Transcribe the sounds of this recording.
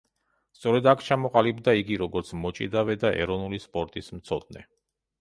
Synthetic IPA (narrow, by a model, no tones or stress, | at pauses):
st̪sʼɔɾɛd̪akʰt͡ʃʰamɔqʼalibd̪aiɡiɾɔɡɔɾt̪sʰmɔt͡ʃʼḭd̪avɛd̪aʔɛ̰ɾɔnulispʼɔɾt̪ʼismt̪sʰɔd̪̚nɛ̰